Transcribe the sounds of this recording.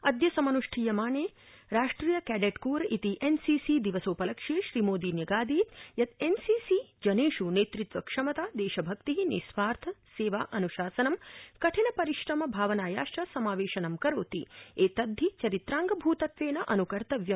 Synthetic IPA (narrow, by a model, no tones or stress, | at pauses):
ɐd̪jɐsɐmɐnuʂʈʰiːjɐmaːɳeː | ɾaːʂʈɾiːjɐkæːɖeʈkuːɾɐʔit̪iʔensiːsid̪iʋɐsoːpɐlɐkʂeːʃɾiːmoːd̪injɐɡaːd̪iːt̪jɐd̪ensiːsid͡ʒɐneːʃuneːt̪ɾit̪ʋɐkʂɐmɐt̪aːd̪eːʃɐbʱɐk̚t̪iɦinḭsʋaːɾt̪ʰɐseːʋaːʔɐnuʃaːsɐnɐmkɐʈʰinɐpɐɾiʃɾɐmɐbʱaːʋɐnaːjaːʃʈɾɐsɐmaːʋeːʃɐnɐmkɐɾoːt̪ieːt̪ɐd̪ʱːit͡ʃɐɾit̪ɾaːŋɡɐbʱuːt̪ɐt̪ʋeːnɐʔɐnukɐɾt̪ɐʋjɐ